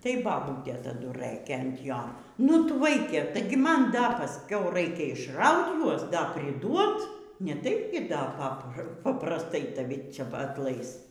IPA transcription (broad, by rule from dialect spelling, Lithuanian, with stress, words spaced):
tɐɪ bɐˈbuːtʲeː tɐˈdʊ ˈrɘkʲeː ɐnt ˈjoː nʊ ˈtʊ ˈʋɐɪkʲɛ tɐɪ ɡʲɪ ˈmɐn dɐ pɐˈsʲkʲɛʊ ˈrɐɪkʲɛ ɪʃˈrɐʊt ˈjuɔs ˈdɐ pʲrʲɪˈduɔt nʲɛˈtɐɪp ɡʲɪ ˈdɐ ˈpɑːprɐ pɐprɐsˈtɐɪ tɐˈʋʲɪ ˈt͡sʲɛ ɐtˈlˠɐɪs